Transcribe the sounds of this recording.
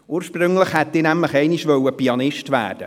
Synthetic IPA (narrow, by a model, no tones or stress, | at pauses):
uːɾʃpɾʏŋləχhɛtiːnɛmləχɛɪniʃvœwəpiɑnɪʃtvæ̰ːɾd̥ə